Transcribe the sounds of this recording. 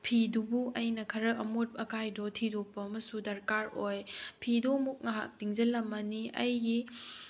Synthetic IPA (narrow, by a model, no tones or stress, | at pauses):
pʰidubuʔɐjnɐkʰɐɾɐɐmot̚pɐkʰajdɔtʰidok̚pɐːmɐsudɐɾkaɾojpʰidɔmuk̚ŋaɦa̰k̚tiŋd͡ʒɐlːɐmɐniɐ̰jɡi